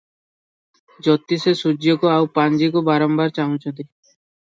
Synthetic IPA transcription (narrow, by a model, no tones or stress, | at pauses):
d͡ʒɔt̪ːisesud͡ʒjɔkoawpand͡ʒikobaɾɔmbaɾt͡ʃaɦũt͡ʃʰɔnt̪i